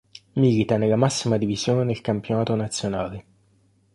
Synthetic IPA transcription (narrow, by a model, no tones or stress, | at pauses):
milit̪anelːamasːimad̪ivizjoːned̪elkampjonaːt̪onat̪sːjonaːle